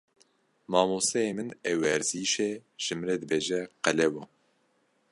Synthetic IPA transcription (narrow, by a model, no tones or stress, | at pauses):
mɑːmoːsɛeːmɨnɛwɛɾziːʃeːʒ̥ɨmɾed̪ɨbeːʒɛqɛlɛwɔ